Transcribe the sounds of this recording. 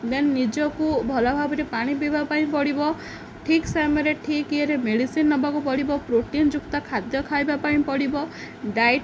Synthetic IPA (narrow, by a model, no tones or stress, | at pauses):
d̪ennid͡ʒɔkubʱɔlabʱabɔɾepaɽ̃ipibapaĩpɔɽibɔ | ʈʰiksameɾeʈʰikieɾemeɽisinːɔbakupɔɽibɔpɾoʈind͡ʒukt̪ɔkʰad̪jɔkʰajbapaĩpɔɽibɔ | ɖajʈ